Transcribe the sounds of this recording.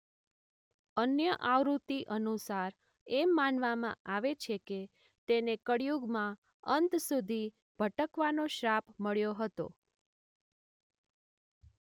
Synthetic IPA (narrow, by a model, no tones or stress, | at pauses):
ənjəʔaʋɾut̪iʔənusaɾ | emːanʋamã̰ʔaʋet͡ʃʰeke | t̪enekəɽjuɡmã | ənt̪sud̪ʱi | b̥ʱəʈəkʋanoʃɾapməɭjoɦət̪o̰